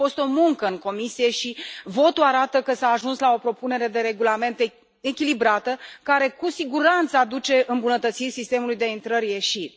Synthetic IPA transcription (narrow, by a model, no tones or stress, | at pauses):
fo̞st̪o̞muŋkəɨŋko̞misije̞ʃivo̞t̪uaɾat̪əkəsaːʒunslao̞pɾo̞pune̞ɾe̞d̪e̞ɾe̞ɡulame̞nt̪ | ekʲilibɾat̪əkaɾe̞kusiɡuɾant̪saːd̪ut͡ʃe̞ʔɨmbunət̪ət̪sirʲsist̪e̞mulujd̪e̞int̪ɾərʲje̞ʃirʲ